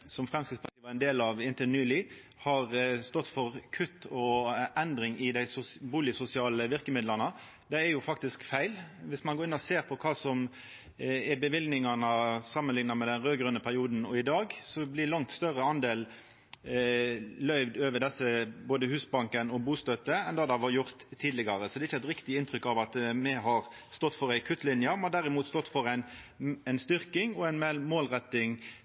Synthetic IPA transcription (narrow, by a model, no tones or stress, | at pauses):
sɔmfʁɛmsk̪ɪspʰɑiːʋəɛnd̪eːlɑʋɪnt̪ənyːlɪ | hɑɾst̪ɔt̪ːfɔʁkʰʉt̪ʰːɔʔɛnd̪ɾɪŋɪd̪æɪsʊbuːlɪsʊsɪɑːləʋɪʁkəmɪd̪ləʁnə | d̪ɛæɾjʊfɑk̚t̪ɪskfæɪlʋɪsmɑnɡoːɾɪnɔseːɾpʰɔkʰɑːsɔm | ɛbəʋɪlɡ̪nɪŋɑnəsɑmːənlɪŋnɑmɛd̪ɛnʁøːɡɾʉnəpʰæʁɪuːd̪n̩ɔɪd̪ɑːɡsɔblɪlɑŋt̪st̪œʁəɑnd̪eːl | lœʏʋd̪øːʋəɖ̪ɛsːəboːd̪əhʉːsbɑŋkənɔbuːst̪œt̪ːəɛnd̪ɑd̪ɛɑʋɑjʊʁt̪ʰːiːd̪lɪɡɑɾəsɔd̪ɛɪçəæɪt̪ɾɪkt̪ɪɪnt̪ɾʏkːɑʋɑt̪mɛɦɑɾ | st̪ɔt̪ːfɔɾæɪkʰʉt̪ːlɪnjəmɛnhɑd̪æɾɪmuːt̪st̪ɔt̪ːfɔɾæɪnæɪnst̪ʏʁkɪŋɔæɪnmɛmoːlʁɛt̪ːɪŋ